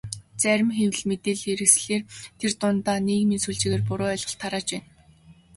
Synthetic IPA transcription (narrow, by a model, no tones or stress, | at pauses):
t͡sæɾʲɪ̆mxew̆ɮmet̪eːɮeɾɘ̆ksɮeːrt̪ʰert̪ʊnt̪aːneːkminsuɮt͡ɕiːɣeːrpʊɾʊːœɮʁə̆ɬt̪ʰːaɾaːt͡ɕpæːn